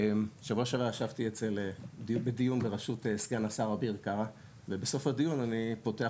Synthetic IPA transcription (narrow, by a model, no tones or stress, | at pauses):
emʃavoʃavaaʃavt̪iet͡se̞lebedijunbeʁaʃuteskeanasaʁabiʁkaʁa | vebeso̞fadijunanipo̞te̞a